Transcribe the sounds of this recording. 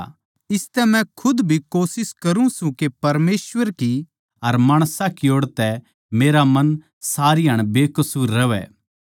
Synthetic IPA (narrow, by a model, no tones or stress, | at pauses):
ɪst̪ɛmɛ̃kʰʊd̪bʱikoːsɪskɐɾũsũkepɐɾmeːsʋəɾki | ɐɾmaːɽ̃sakɪoːɽt̪ɛ | meːɾamɐn | saːɾiɦɐɽ̃beːkʊsuːɾːɐʋɛ̰ː